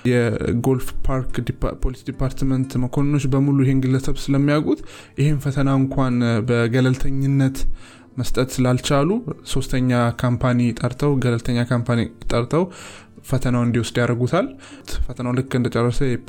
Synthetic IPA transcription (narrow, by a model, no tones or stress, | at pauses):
jɛɡo̞lfpʰaɾkd̰pʰo̞lisd̪ipʰaɾt̪mənt̪məkʰo̞nɨnot͡ʃːbəmulujɪhenɡɨlːəsəβsɨləmːijaɡʼut̪ | jɪhenfət̪ʰənaɨŋkʷʰanbəɡələlt̪ʰəɲːɨnːət̪ | məst̪ʼət̪sɨlalt͡ʃaluso̞st̪ʰəɲːakʰampʰanijt̪ʼəɾt̪ʰəwɡələlt̪ʰəɲːakʰampʰanit̪ʼːəɾt̪ʰəw | fət̪ʰənawɨnd̪iwʊsd̪jaɾəɡut̪ʰalt̪fət̪ʰənawlɨkːɨnd̪ət͡ʃʼɛrːəsəjɛ